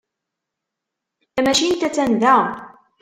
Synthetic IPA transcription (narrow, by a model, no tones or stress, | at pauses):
æmæʃint̪æt͡sːænd̪a